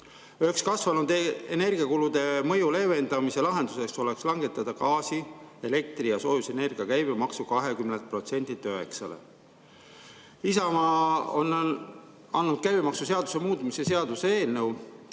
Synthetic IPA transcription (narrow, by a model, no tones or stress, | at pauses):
øhekskɑsvɑnud̪eene̞rɡ̥iɑkulud̪̥e̞mɤ̞jule̞ve̞nd̪̥ɑmise̞lɑɦe̞nd̪̥use̞kso̞le̞kslɑŋɡ̥e̞t̪ːˑɑd̪̥ɑkɑːsie̞le̞k̚t̪ɾijɑso̞ːjuse̞ne̞rɡ̥iɑkæjbemɑksukɑɦe̞kymnent̪̚pro̞t̪se̞nʲd̪it̪ːˑøe̞ksɑ̰lḛ | isɑmɑːon | ɑnːud̪̥̚kæjb̥emɑksuse̞ɑd̪̥u̥se̞muːd̪misese̞ɑd̪̥useeːlnew